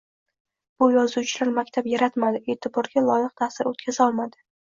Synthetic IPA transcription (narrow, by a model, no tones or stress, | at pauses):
b̥ʊjɒzuwt͡ʃʰɪlaɾmakʲt̪ʰapjaɾat̪mad̪ɪe̞ːt̪ʰɪbɒɾɡʲalˠɒjɪq̚t̪ʰasɪɾot̪̚kʲʰazɒlˠmad̪ɪ